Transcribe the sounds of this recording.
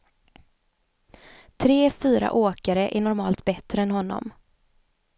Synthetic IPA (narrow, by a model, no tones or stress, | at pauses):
t̪ʰɾeːfyːɾa̰ʔoːkaɾəʔæɳɔɾmɑːlt̪bɛt̪ɾəɛnɦɔnːɔ̰m